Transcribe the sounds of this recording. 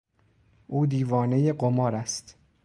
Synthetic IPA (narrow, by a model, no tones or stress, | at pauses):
ʔuːd̪iːvɒːne̞jeɢomɒːɾæst̪